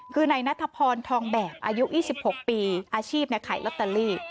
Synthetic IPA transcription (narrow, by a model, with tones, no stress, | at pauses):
kʰɯː˧na˧jna˦˥t̪ʰːa˧pʰɔː˧nt̪ʰɔː˧ŋbɛː˨˩p̚ʔaː˧ju˦˥ʔjiː˥˩si˨˩p̚ho˨˩k̚piː˧ʔaː˧t͡ɕʰiː˥˩p̚na˧jkʰaː˩˦jlɔ˦˥t̪ːa˧liː˥˩